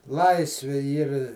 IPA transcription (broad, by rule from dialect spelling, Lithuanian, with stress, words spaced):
ˈlˠɐɪsʲʋʲɪ ˈiːr